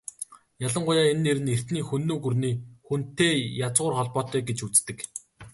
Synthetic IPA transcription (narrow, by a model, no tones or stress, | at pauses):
jaɮə̆ɴɢʊjaːenːeɾɘ̆ner̥t̪niːxunːoːɡurniːxun̥t̪eːjat͡sʁʊːrχɔɮpɔːt̪œːɡet͡ɕut͡st̪ɘ̆k